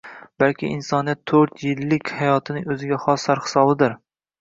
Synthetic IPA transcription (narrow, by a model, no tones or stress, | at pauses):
b̥alkʲʰɪʔɪnsɒnɪjat̪ʰːɵɾt̪jɪlːɪkʲhajɒt̪ʰɪnɪŋɵzɪɡʲaχɒsːaɾhɪ̥sɒbɪd̪ɪɾ